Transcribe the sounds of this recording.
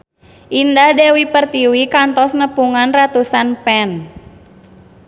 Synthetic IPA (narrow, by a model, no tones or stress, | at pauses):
ʔindahdɛwipərt̪iwikant̪ɔsnəpuŋanrat̪usanpɛn